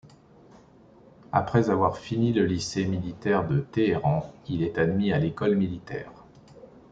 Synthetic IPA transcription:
a̰pχɛzavwaʁfiniləlisemilit̪ɛʁd̪ət̪eeʁɑ̃ilɛt̪ad̪mialekɔlmilit̪ɛ̰ːʁ

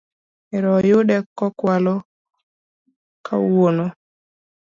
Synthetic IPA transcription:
ɛɾɔjʊdɛkːɔkwalɔ | ka̰wono

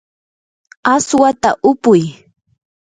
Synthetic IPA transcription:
aswat̪aʔʊpʊj

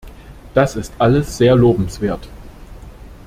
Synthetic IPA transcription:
d̥asɪstʔaləsz̥eːɐloːbm̩sv̥eːɐt

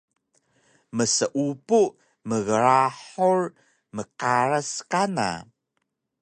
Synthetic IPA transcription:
məsəʔupu | məɣəɾaħuɹ | məqaɾəskana̰

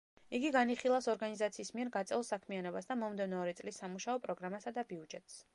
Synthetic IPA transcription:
iɡiɡaniχilˠasɔɾɡanizat̪sʰiːsmiɛɾɡat̪sʼɛlˠsakʰmianɔbasd̪amɔmd̪ɛvnɔɔɾit̪sʼlisːamuʃaɔpʼɾɔɡɾamasad̪abiud͡ʒɛt̪ʼs

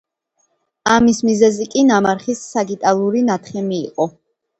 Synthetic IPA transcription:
amismizɛzikʼinamaɾχisːaɡit̪ʼalˠuɾinat̪ʰχɛmiːqʼɔ

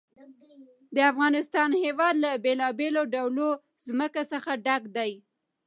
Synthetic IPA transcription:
d̪əafɣɑnɪst̪ɑnhewɑd̪labelɑbeloɖawlo | zməkasəxaɖaɡd̪aj

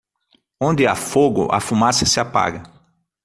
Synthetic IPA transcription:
õnd̪ɪa̰foɡʊ̰ʔɐ̰fumasɐsɪapa̰ɡɐ

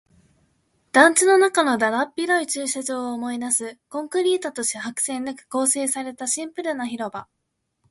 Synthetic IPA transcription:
d̪̥ãɲt͡ɕino̞nakano̞d̪aɾapʲːiɾo̞it͡ɕɨːɕaʑo̞ːmo̞inasɨkõ̞ŋkɯ̟ɾʲiːt̪at̪o̞ɕeɦakɯ̟̥sẽ̞nːakɯ̟̥ko̞ːse̞ːsaɾe̞t̪aɕĩmpɯ̟ɾɯ̟naçiɾo̞ba

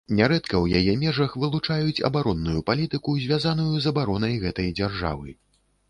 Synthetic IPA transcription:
nʲaɾɛt̪kɐwjajɛmʲɛʐɐxvɨlˠut͡ʂajut͡sʲɐ̰baɾɔnːujupalʲit̪ɨkuzʲvʲazan̪ujuzɐbaɾɔnɐjɣɛt̪ɐjd͡zʲarʐa̰vɨ

